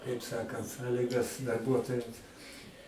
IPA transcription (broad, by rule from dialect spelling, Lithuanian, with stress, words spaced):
kɐɪp ˈsɑːkɐnt ˈsɑːlʲɪɡɐs dɐrˈbuɔtoːjɛms